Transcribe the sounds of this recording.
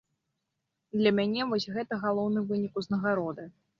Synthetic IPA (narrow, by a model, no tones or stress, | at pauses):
d̪lʲɐmʲanʲɛvɔsʲɣɛt̪ɐɣalˠɔwnɨvɨnʲikuznɐɣaɾɔd̪ɨ